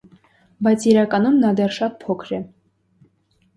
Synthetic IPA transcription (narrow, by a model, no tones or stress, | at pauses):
bɑjt͡sʰiɾɑkɑnumnɑd̪ɛɾʃɑt̪̚pʰɔkʰɾɛ